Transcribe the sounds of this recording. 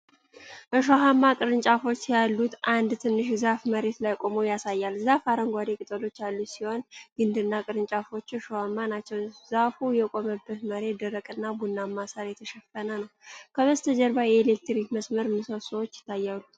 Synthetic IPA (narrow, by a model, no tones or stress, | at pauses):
ʔəʃ̬oɦamːakʼɨɾɨnt͡ʃʼafo̞t͡ʃːjalːut̪ʔand̪t̪ʰɨnːɨʃzafməɾe̞t̪lajkʼo̞mowjasajːalzafaɾəŋɡʷad̪e̞kʼɨt̪ʼəlo̞t͡ʃːalːusiho̞nɡ̥ɨnd̪ɨnːakʼɨɾɨnt͡ʃʼafo̞t͡ʃːʃohamːanat͡ʃːɛwzafujɛkʼo̞məbːət̪məɾe̞d̪əɾəkʼɨnːabunːamːasaɾjɛt̪ʰəʃɛfənənəwkʰəβəst̪ʰəd͡ʒɛɾβajɛːlek̚t̪ɾikməsməɾmɨsəsəwot͡ʃːjɪ̥t̪ʰːajːalːu